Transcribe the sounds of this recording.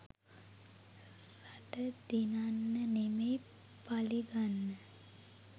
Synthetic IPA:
raʈəd̪inanːənemej | paliɡanːə

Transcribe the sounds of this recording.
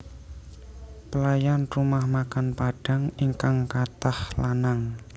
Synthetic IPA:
pəlajanrumahmakanpaɖ̥aŋiŋkaŋkat̪ahlanaŋ

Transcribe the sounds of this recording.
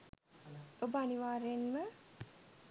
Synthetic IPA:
obəaniʋaːɾenmə

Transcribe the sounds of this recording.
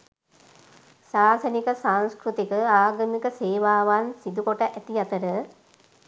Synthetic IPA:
saːsənikəsaŋskɾut̪ikəaːɡəmikəseːʋaːʋansid̪ukoʈəʔæt̪iat̪əɾə

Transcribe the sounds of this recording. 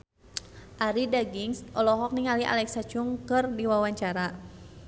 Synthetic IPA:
ʔaɾidaɡiŋsɔlɔɦɔk̚niŋaliʔa̰lɛksḁt͡ʃuŋkɨrdiwawaɲt͡ʃaɾa

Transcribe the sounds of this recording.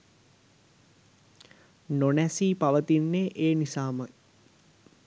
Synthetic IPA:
nonæsiːpaʋət̪inːeʔeːnisaːmə

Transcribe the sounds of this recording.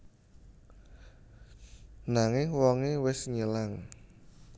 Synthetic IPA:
naŋɪŋwɔŋewɪsɲəlaŋ

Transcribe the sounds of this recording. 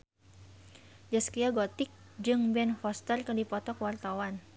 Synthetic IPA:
d͡ʒaskiaɡɔt̪ɪk̚ | d͡ʒɨŋbɛnfɔst̪ərkədipɔt̪ɔkwart̪awan

